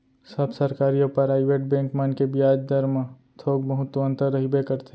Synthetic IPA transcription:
səbsɐɾkaːɾijõpəɾaːɪʋeʈ̚bẽːŋkmankebijaːd͡ʒd̪əɾm | t̪ʰoːɡ̚bəɦʊt̪wə̃nt̪əɾːəɦibekəɾt̪ʰe

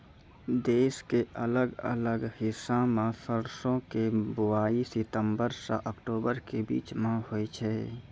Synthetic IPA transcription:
d̪eːskeʔələɡə̰ləɡhɪsːãmãfəɾsõkebʊaːisɪt̪ə̃mbəɾsa̰ʔəkʈoːbəɾkebḭːt͡ʃmãhoit͡ʃʰɛ

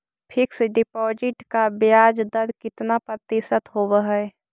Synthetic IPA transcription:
pʰɪksɖɪpɔːd͡ʒɪʈkabjjaːd͡ʒd̪əɾkɪt̪napɾət̪ɪsət̪ɦoːbəɦɛ

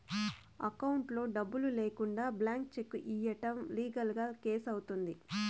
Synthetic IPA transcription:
ɐ̰kɐwuɳʈlo̞ːɖɐbːulule̞ːkuɳɖaːblaːŋk̚t͡ʃe̞kːuʔiːjɐʈɐmliːɡɐlɡaːke̞ːsɐwut̪und̪i

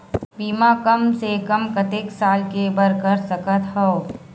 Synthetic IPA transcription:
biːmakɐmsekɐmkət̪eksaːlkebəɾkəɾsɐkət̪ɦɔo

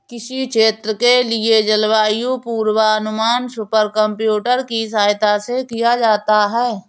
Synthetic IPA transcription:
kɪʃikʃeːt̪ɾəkelied͡ʒəlwaːjupuːɾwaɐnʊmaːnsʊpəɾkə̃mpjuːʈəɾkisaːjt̪asekijad͡ʒaːt̪aɦɛː

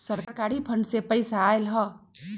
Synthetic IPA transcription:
səɾkkaːɾipʰəɳɖsepəɪsaːlɦɔ

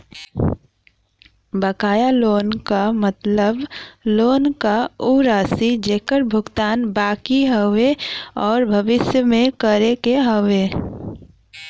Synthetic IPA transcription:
bəkaːjaloːnkamət̪ləbloːnkauɾaːsid͡ʒeːkəɾbʱʊɡt̪aːnbaːkiɦəweɔːɾbʱəʋɪsjəmẽkəɾekeɦəʋe

